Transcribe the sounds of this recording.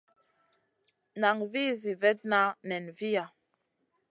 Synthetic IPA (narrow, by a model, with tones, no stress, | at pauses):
na˨ŋvi˦zi˨vɛ˦t̚na˦nɛ˨nvi˦ja˨